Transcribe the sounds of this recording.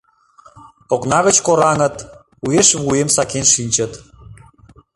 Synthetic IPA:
oknɑɣə̆t͡ɕkoɾɑŋə̆t̪ | ujeʃβuemsɑkenʃinʲt͡ɕə̆t̪

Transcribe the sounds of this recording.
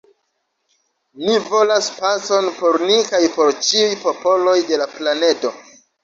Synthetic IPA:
nivo̞laspaso̞npo̞ɾnikajpo̞ɾt͡ʃiujpo̞po̞lo̞jde̞laplane̞to̞

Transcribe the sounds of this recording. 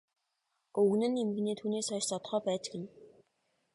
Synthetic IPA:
ɵɣnɘ̆nemɘ̆ɣ̆neːt̪ʰuːneːsœjʃsɔt̪̆χœːpæːt͡ɕ̆kɘ̆n

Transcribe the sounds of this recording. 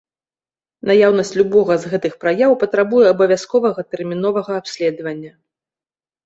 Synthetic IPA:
najawnɐsʲt͡sʲlʲubɔɣɐzɣɛt̪ɨxpɾajawpɐt̪ɾabujɛɐbɐvʲjaskɔvɐɣɐt̪ɛrmʲinɔvɐɣɐːpsʲlʲɛd̪ɐvɐnʲːɐ

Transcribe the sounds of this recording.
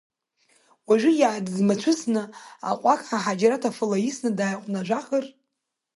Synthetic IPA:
waʒʷɪjaʕadzmat͡ʃʷʰʊsʰnɨa̰qʷʼakʰʼħaħad͡ʒaɾatʰafɨlaisnɨdaːjqʷʼnaʒʷaχər

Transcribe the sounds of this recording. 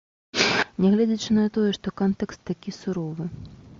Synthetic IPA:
nʲɛɣlʲɛd͡zʲɐt͡ʂɨnɐt̪ɔjɛʂt̪ɔkɔnt̪ɛkst̪ːakʲisuɾɔvɨ

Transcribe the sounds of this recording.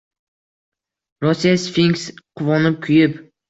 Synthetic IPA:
ɾɒsːijasfiŋksqʰʊvɒnɪp̚kʲʰʊjɪp

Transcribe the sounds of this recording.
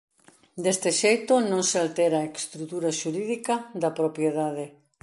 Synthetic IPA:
d̪est̪eʃejt̪onõŋsealt̪eɾaekst̪ɾut̪uɾɐʃuɾiðikɐd̪ɐpɾopjeðaðe

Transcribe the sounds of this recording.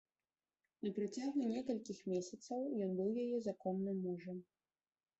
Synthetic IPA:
nɐpɾɨt͡sʲaɣunʲɛkɐlʲkʲixmʲesʲɐt̪sɐwjɔnbɨwjajɛzakɔmnɨmːuʐɐm

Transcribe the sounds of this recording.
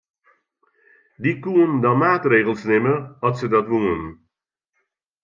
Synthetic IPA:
dikuəndamaːtreːɣəlˠsnɪməɔtsədɔtʋuən

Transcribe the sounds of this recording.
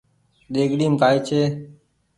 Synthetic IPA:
ɗeːɡɗiːmkaːiːt͡ʃʰeː

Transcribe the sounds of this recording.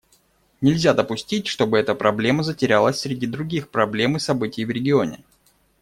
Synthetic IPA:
nʲɪlʲzʲad̪əpʊsʲtʲitʲʂt̪o̞bɨɛt̪əpɾʔɐblʲe̞məzətʲɪɾʲalˠəsʲsʲɾʲɪdʲid̪ɾʊɡʲixpɾɐblʲe̞mɨsɐbɨtʲɪjvɾʲɪɡʲɪonʲɪ̰

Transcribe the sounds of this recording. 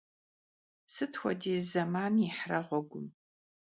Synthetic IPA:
sɨtʰxʷɔdiːzɐmaːniħrɐʁʷɔɡʷʊm

